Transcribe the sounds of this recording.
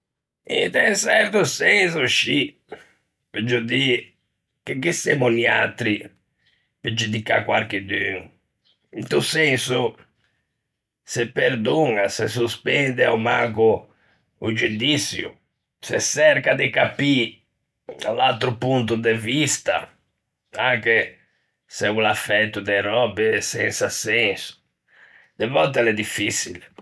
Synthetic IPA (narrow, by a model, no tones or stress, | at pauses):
ḭt̪ɛnsɛɾt̪usɛnsʊʃi | ped͡ʒud̪i | kekːisɛmunia̰t̪ɾi | ped͡ʒud̪ika̰kwaɾked̪yŋ | int̪usɛnsu | sepːeɾd̪oŋases̬uspɛnd̪ɪaumakʊ | ud͡ʒud̪isjṵ | sḛsɛɾkad̪ekapi | lalt̪ɾupunt̪̬ud̪evist̪a̰ | aŋke | sɛulafɛt̪ːud̪ɛrɔbesɛ̰nsasɛnsʊ̥ | d̪̥evɔlt̪ɛlɛd̪ifːisḭl